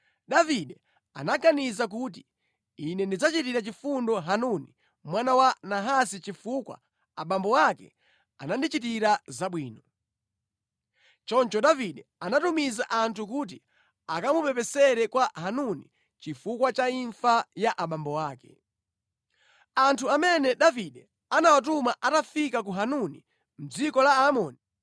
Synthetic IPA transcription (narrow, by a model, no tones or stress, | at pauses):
ɗaviɗɛ | a̰naɡanizak̬ut̬i | inɛndid͡zat͡ʃitiɾat͡ʃifundɔɦanuni | mwanawanaɦasit͡ʃifuːkwa̰ | aɓambɔwakɛ̰ | a̰nandit͡ʃit̬iɾazaɓwiːnɔ | t͡ʃɔnt͡ʃɔɗaviɗɛanatumizaʔantʰukuːt̬i | akamupɛpɛsɛɾɛkwaɦanuni | t͡ʃifukwat͡ʃaiɱfajaʔaɓambɔwaːkɛ̰ | antʰuamɛnɛɗaviɗɛ | anawat̬umaʔatafikakuɦanunḭ | m̩d͡zikɔlaːmɔːni